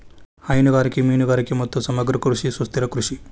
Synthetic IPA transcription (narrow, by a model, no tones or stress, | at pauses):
hɐjnuɡaːɾikimiːnuɡaːɾikimɐt̪ːusɐmɐɡɾɐkɾuʂisust̪iɾɐkɾuʂi